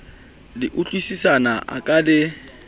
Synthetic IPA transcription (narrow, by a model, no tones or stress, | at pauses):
dɪʔut͡ɬʼwisisanaa̰kʼalɪ